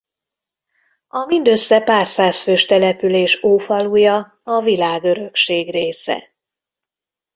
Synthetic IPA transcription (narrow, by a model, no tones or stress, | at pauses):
ɒmind̪øsːɛpaːrsaːsføːʃt̪ɛlɛpyleːʃoːfɒluːjɒ | ɒvilaːɡø̞ɾø̞kʃeːɡreːsɛ̰